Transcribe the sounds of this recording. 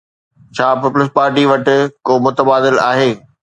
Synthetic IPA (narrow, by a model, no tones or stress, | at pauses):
t͡ɕʰaːpipʊlɪs̬paːɾʈiʋɐʈ̆koːmʊt̪əbaːd̪ɪla̰ːɦeː